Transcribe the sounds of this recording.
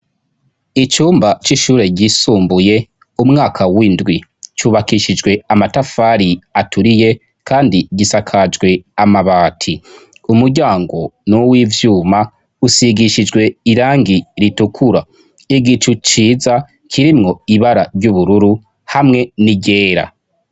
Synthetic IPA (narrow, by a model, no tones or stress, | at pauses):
it͡ʃuːmbat͡ʃiʃuːɾe̞ɟisuːmbuje̞ | umŋaːkʰawindwit͡ʃuːβakiʃid͡ʒɡwe̞amatafaːɾiatuɾije̞ | kaːndiɟisakʰad͡ʒɡwe̞amaβaːtʰi | umuɾɟaːŋɡo̞nuwivjuːma | usiɡiʃid͡ʒɡwe̞iɾaːŋɡiɾitukʰuɾa | iɡit͡ʃut͡ʃiːza | kʰiɾimŋo̞iβaɾaɾɟuβuɾuɾu | hamŋe̞niɟe̞ːɾa̰